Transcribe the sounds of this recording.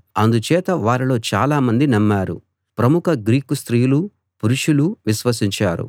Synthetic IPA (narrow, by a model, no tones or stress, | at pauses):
ɐnd̪ut͡ʃɛːt̪ɐʋaːɾilo̞ːt͡ʃaːlaːmɐnd̪inɐmːaːɾṵ | pɾɐmukʰɐɡɾiːkust̪ɾijulu | puɾuʂuluʋiʃʋɐsiɲt͡ʃaːɾṵ